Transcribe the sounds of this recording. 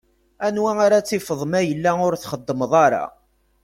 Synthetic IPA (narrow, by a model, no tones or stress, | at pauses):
ænwæaɾat͡sːifəðˤmæjəlːæʊɾθχəd̪ːəməðˤɑɾɑ̰